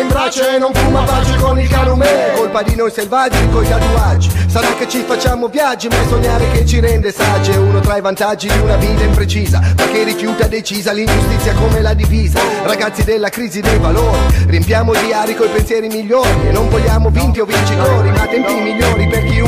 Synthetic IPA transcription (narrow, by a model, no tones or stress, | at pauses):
embɾat͡ʃenːoɱfumavat͡ʃekonilkaːnomɛːokolpad̪inojselvad͡ʒikojt̪at̪uad͡ʒːisaɾakːet͡ʃifat͡ʃːaːmovjad͡ʒːimasoɲːaːɾeket͡ʃiɾɛnd̪esad͡ʒːeuːnot̪ɾajvant̪ad͡ʒːid̪iunaviːt̪aimpɾet͡ʃiːzapek̟ːerːifjuːt̪ad̪et͡ʃiːzalind͡ʒust̪it̪sːjakomelad̪ifiːzaraɡat̪sːid̪elːakɾiːzid̪ejvaloːɾiriempjaːmoid̪iaːɾikoipensjɛːɾimiʎːoːɾienːonvoʎːaːmovint̪iovint͡ʃit̪oːɾimat̪ːent̪inimiʎːoːɾiperk̟i